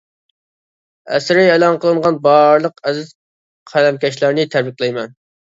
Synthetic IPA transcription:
ɛ̰sɾɪelˠɑnqəlˠɨɴʁɑnbɑɾlˠəqɛzɪz̥ | qʰælɛmkʲɛʃlæɾnɪt̪ʰæɾbikʲlˠɛjmɛn

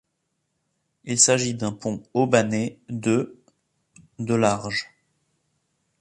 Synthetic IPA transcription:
ilsaʒid̪ɛ̃pʰɔ̃obaned̪ə | d̪əlaʁʒ

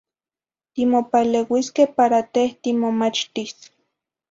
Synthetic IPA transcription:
t̪imopalewiskehpaɾat̪eht̪imomat͡ʃt̪is

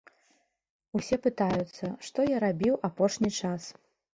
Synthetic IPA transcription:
usʲɛpɨt̪ajut̪sːɐʂt̪ɔjaɾabʲiwapɔʂnʲit͡ʂas

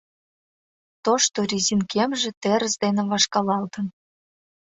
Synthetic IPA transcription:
t̪oʃt̪oɾʲizʲinkemʒĕt̪eɾə̆sd̪enĕβɑʃkɑlɑlt̪ə̆n

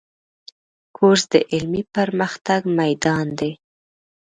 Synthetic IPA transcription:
kʰoɾsd̪əʔɪlmipəɾməxt̪aɡmajd̪ɑnd̪e

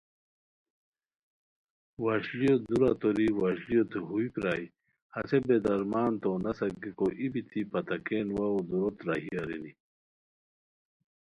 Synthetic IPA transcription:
waɕlijod̪uɾat̪oɾiwaɕlijot̪ʰuɦuipɾaːi | hɐsebed̪ɐɾmaːnt̪onɐsɐkikoʔibit̪ʰipɐt̪ɐkeːnwaod̪uɾot̪ɾaɦiɐɾini

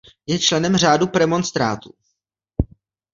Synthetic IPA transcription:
jɛt͡ʃlɛnɛmr̝aːdupɾɛmo̞nst̪ɾa̰ːt̪u

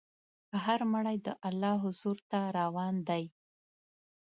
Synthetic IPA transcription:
pəɦaɾməɽajd̪əʔalːɑɦʊzuɾt̪aɾɑwɑnd̪aj

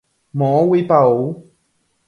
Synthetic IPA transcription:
mɔːwepao

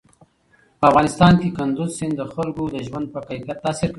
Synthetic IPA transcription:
pəafɣɑnɪst̪ɑnkekand̪ʊzsɪnd̪d̪ːəxalkod̪əʒwand̪̚pəkəjkat̪ːɑsɪɾk

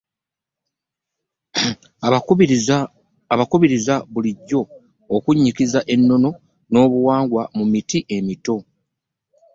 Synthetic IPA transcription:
βakuβiɾizaβuliɟːo̞ː | kuɲːikizaʔe̞nːo̞no̞ | no̞ːβuwaːŋɡwamumitiʔe̞mito̞

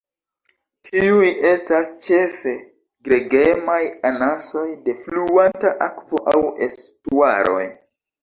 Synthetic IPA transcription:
tʰiuje̞stast͡ʃe̞fe̞ | ɡɾe̞ɡemajanaso̞jde̞flluantaʔakvo̞ʔawḛstua̰ɾʔo̞̰j

